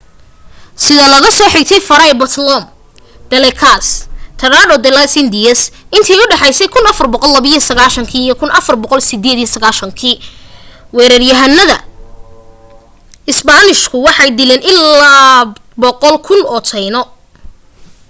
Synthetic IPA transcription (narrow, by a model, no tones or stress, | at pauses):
sɪðɐlɐɣɐsɔːħɪk̚t̪ʰɛjfɐɾɐɛbɐt̪ʰlɔm | d̪̥ɛlɛkʰast̪ʰɐɾaːɖɔd̪ɛlɐsɪnd̪ɪjɐsɪnt̪ʰɛjʊɖɑħɛjsɛjkʰʊnɐfɐrbɔqɔlːɐβiijɐsɐɣaːʃɐŋkʰiːijɔkʰʊnɐfɐrbɔqɔlsɪd̪ɛːd̪ijɔsɐɣaːʃɐŋkʰiː | wɛːɾɐrjɐɦɐnːɐðɐ | ɪsbaːnɪʃkʰʊwɑħɑjd̪ɪlɛːnɪlaː | bɔqɔlkʰʊnɔːt̪ʰɛjnɔ